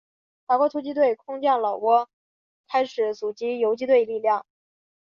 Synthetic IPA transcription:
fa˨˩kwɔ˧˥t̪ʰu˥t͡ɕi˥t̪we˥˩ɪkʰʊ˥ŋt͡ɕjɑ˥˩ŋlɑ˨˩ʊwɔ˥ | kʰa˥ɪʂɻ̩˨˩˥t͡su˨˩t͡ɕi˧˥jo˧˥ʊt͡ɕi˥t̪we˥˧ɪli˥˧ljɑ˥˩ŋ

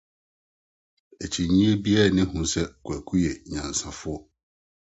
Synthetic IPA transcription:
æ˨t͡ɕʰi˨ɲĩ˦e˦bi˦ɛ˦˨nɪ̃˦hũ˨sɛ˦˨kʰʊ˨æ˨kʰu˦jɛ˨ɲã˨n˨sã˨fʊ˦ɔ˦

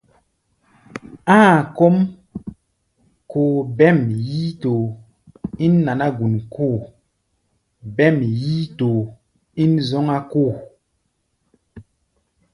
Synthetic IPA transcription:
ãː˦˨ko˦m | koː˨bɛ˦˨mji˦to˨ | i˦nːa˨na˦ɡu˨nkʰo˦˨ | bɛ˦˨mji˦to˨ | i˦nzɔ˦ŋa˦ko˦˨

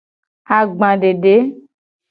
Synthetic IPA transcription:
a˨ɡ͡bã˨ɖe˨ɖe˨˦

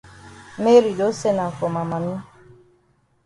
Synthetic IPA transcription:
me˦ɾi˨do˦se˦na˨fo˨ma˨ma˨nʊ˦

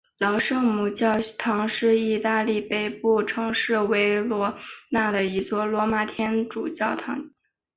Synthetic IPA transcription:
lɑ˧˥ʊʂɤ˥˩mu˨˩t͡ɕjɑ˥˩ʊt̪ʰɑ˧˥ŋʂɻ̩˥˧i˥˧t̪a˥˧li˥˩pe˥˩ɪpu˥˩ʈ͡ʂʰɤ˧˥ŋʂɻ̩˥˩we˧˥ɪlwɔ˧˥na˥˩d̪ə˩i˧˥t͡swɔ˥˩lwɔ˧˥ma˧˩t̪ʰjɛ˥nʈ͡ʂu˨˩t͡ɕjɑ˥˩ʊt̪ʰɑ˧˥ŋ

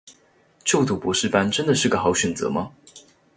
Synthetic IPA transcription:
t͡ɕjo˥˩ʊt̪ʰu˨˥˩pu˨˧˥ʂɻ̩˥˩pa˥nʈ͡ʂə˥nd̪ə˨ʂɻ̩˥˩ɡə˨˩xɑ˧˥ʊɕɥɛ˨˩nt͡sɤ̰˧˥mɐ˧

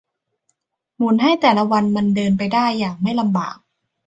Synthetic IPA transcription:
mu˩˦nɦa˥˩jt̪ɛː˨˩la˦wa˧nma˧ndɤː˧npa˧jdaː˥˩jːaː˨˩k̚ma˥˩jla˧mbaː˨˩k̚

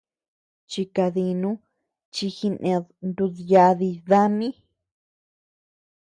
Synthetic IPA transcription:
t͡ʃi˧ka˧ði˧nũ˦ | t͡ʃi˧xi˧nʔẽ˧nd̪u˧ðja˧ði˧ða˦mĩ˦

